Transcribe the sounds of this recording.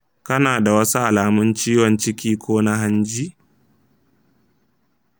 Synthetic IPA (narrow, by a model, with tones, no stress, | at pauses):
kɐ˦naː˨da˨wɐ˦su˦ʔa˨laː˨mʊ˦nt͡ʃiː˦wɔ˨nt͡ʃɪ˦kʲiː˦kʷoː˦na˦ɦa˦nd͡ʒiː˦